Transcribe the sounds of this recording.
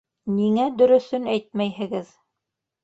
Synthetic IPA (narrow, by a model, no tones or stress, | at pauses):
niŋæd̪ɵ̆ɾɵ̆θɵnæjt̪̚mæjɦɘ̆ɡɘð